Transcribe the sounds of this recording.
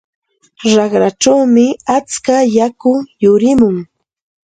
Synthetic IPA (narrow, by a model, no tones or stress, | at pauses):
ɾɑχɾaʈ͡ʂawmɪat͡skajakʊjʊɾɪmʊŋ